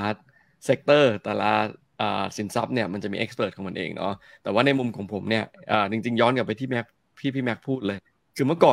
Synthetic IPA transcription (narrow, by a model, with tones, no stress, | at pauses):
a˦˥t̪̚ | se˦˥k̚t̪ɤː˥˩t̪ɛː˨˩la˦˥ | ʔəː˨˩si˨˩˦nsa˦˥p̚ni˥˩ɐma˧nt͡ɕa˨˩miː˧ʔe˦˥kspɤː˨˩t̪̚ʰɔ˩˦ma˧nʔḛː˧ŋnʔɔ̰˦˥t̪ɛː˨˩waː˥˩na˧jmu˧mkʰɔː˩˦ŋpʰo˩˦mni˥˩ɐʔəː˨˩t͡ɕi˧ŋt͡ɕi˧ŋjɔː˦˥nka˨˩pːa˧jt̪ʰiː˥˩mɛ˦˥k̚ | pʰiː˥˩pʰiː˥˩mɛ˦˥k̚pʰuː˥˩t̪̚lɤː˧j | kʰɯː˧mɯ˥˩ɐkɔː˨˩